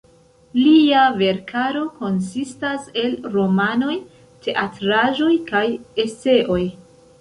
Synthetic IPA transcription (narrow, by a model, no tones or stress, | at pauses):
liave̞ɾkʰaɾo̞ko̞nsistase̞lɾo̞mano̞j | tʰe̞ʔatɾaʒo̞jkaje̞se̞ʔo̞j